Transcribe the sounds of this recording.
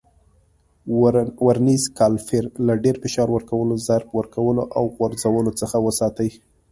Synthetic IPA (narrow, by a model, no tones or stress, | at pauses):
waɾnizkɑlfɪɾlaɖeɾfɪʃɑɾwəɾkawəlozaɾbwəɾkawəloʔawɣwaɾzawəlot͡səxawəsɑt̪əj